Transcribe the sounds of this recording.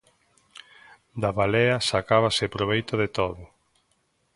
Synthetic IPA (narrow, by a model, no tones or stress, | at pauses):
d̪aβalɛɐsakaβasepɾoβ̞ejt̪oðet̪oðʊ